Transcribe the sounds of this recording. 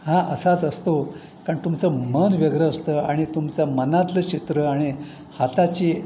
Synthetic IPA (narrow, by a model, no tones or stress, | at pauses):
hãʔəsat͡səst̪o | kaɳt̪umt͡səmənʋeɡɾəəst̪əaɽ̃it̪umt͡samənat̪lət͡ɕit̪ɾəaɽ̃i | hat̪at͡ɕiː